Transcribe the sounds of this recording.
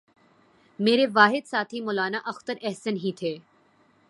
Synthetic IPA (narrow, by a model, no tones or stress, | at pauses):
meːɾeʋaːɦɪd̪saːt̪ʰɦimɔːlaːnaʔɐxt̪əɾɛɦsənɦĩt̪ʰeː